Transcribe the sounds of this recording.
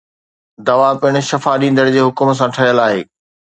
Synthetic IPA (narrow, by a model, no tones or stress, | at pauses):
d̪ɐʋapɪɽ̃ʊ̆ʃɐfaɗĩːn̆d̪əɽɪd͡ʑeːɦʊkms̬ãʈʰɐɦijəlaːɦeː